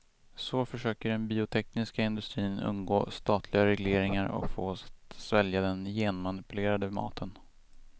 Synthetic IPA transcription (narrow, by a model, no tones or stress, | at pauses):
sɔfœʂøːkəɖɛnbiːʊt̪ʰɛknɪskaɪnd̪ɵst̪ɾiːnɵ̰nːɡoːst̪ɑːt̪ʰlɪɡaɾɛɡleːɾɪŋaɾɔ̰kfoːsvɛljad̪ɛnjeːnmanɪpɵleːɾad̪əmɑ̰ːt̪ʰən